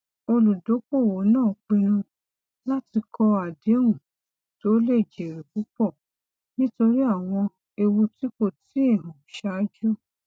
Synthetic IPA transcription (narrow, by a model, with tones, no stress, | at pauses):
o˧lu˨do˨˦k͡po˦˨wo˨˦nãː˦˨k͡pĩ˧nũ˧ | la˦ti˧kɔ˧a˨de˨˦ũ˨ | to˨˦le˦˨d͡ʒe˨ɾe˨ku˨˦k͡pɔ˦˨ | nĩ˦to˧ɾi˦a˦˨w̃ɔ̃˧ | e˧wu˧ti˨˦ko˦˨ti˦e˦˨nũ˨ʃa˨˦d͡ʒɔ˦